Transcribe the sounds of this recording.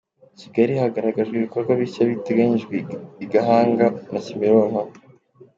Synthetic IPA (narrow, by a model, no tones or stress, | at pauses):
ciɡaɾihaɡaɾaɡaʒɡeβikoɾɡwaβiʃaβiteɡaɲiʒɡweiɡaɦaːŋɡanacimeɾoŋ̥haβo